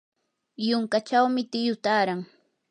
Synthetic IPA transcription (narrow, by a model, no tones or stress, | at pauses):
jʊŋkat͡ʃawmɪt̪ɪjʊt̪aːɾaŋ